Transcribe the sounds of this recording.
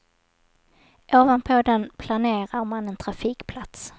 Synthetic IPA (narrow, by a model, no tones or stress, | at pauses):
ʔoːvanpʰɔd̪ɛnpʰlaneːɾaɾmanɛnt̪ʰɾafiːkpʰlat̪s